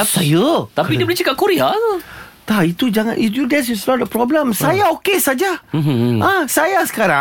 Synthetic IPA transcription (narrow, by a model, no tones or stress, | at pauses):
ap̚sajət̪apidibəlit͡ʃakap̚kuɾia | t̪ait̪ud͡ʒaŋã̰nʔifjudɛs̬juslɔt̚dəpɾɔbləmsajaokesad͡ʒa | ãsajasə̥kaɾa